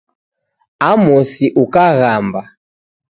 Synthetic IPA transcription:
amɔsiʔukaɣamba

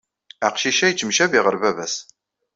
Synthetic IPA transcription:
æqʃiʃæjt͡ʃːəmʃæviʁəɾvævæs

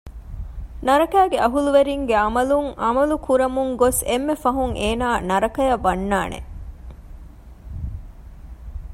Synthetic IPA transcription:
nɐɾɐkæːɡeʔɐɦuluʋeɾiŋɡeɐmɐluŋɐmɐlukuɾɐmuŋɡosemːefɐɦuŋʔeːnaːnɐɾɐkɐjɐʋɐnːaːnḛ

